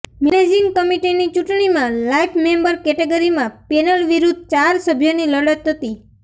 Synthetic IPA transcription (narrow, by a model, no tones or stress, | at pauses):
mɛned͡ʒiŋkəmiʈinit͡ʃuʈɳ̃imãlajfʰmembəɾkɛʈeɡəɾimãpɛnəlʋiɾud̪̚ʱt͡ʃaɾsəbʱjoniləɽət̪ʰːət̪i